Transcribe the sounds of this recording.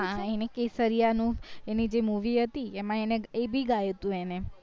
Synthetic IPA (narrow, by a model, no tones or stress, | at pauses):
ãenekesəɾijanũenid͡ʒemuʋiɦət̪iemãeneebʱiɡajet̪ũene